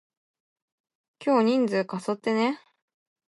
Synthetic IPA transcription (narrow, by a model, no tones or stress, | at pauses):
kʲo̞ːɲ̟ĩnd͡zɨːkaso̞t̪ːe̞ne